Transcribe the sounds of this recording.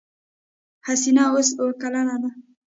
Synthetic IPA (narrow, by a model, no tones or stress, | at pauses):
hasinaos̬oɽkalanad̪a